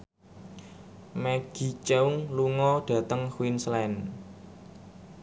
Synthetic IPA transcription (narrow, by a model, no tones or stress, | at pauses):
mɛɡ̥i̤t͡ʃɛuŋluŋɔɖ̥ä̤t̪əŋxwinslɛn